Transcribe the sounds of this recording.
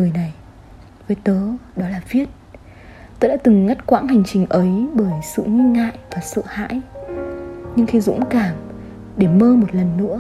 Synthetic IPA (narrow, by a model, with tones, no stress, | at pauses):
ɨ˨˩əjna˨˩j | vəː˨˦jt̪əː˨˦ɗɔ˨˦laː˨˩vi˦˥ət̚ | t̪əː˧ɗa̰ː˧˥t̪ɨ˨˩ŋːa˦˥t̚kwaː˧˥nɦa˨˩jŋ̟t͡ɕï˨˩ŋ̟ʔə˨˦jɓəː˧˩jsɨ̰˧˨ŋï˧ŋŋa̰ː˧˨jvaː˨˩sə̰ː˧˨ha̰ː˧˥j | ɲɨ˧ŋxʰi˨˦zʊ̰˧˥ŋ͡mkaː˧˩m | ɗe˧˩məː˧mo˨˩t̚lə˨˩nːɨ̰˧˥ə